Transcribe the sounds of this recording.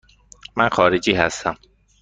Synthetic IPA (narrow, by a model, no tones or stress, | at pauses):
mænxɒːɾed͡ʒiːɦæst̪ʰæm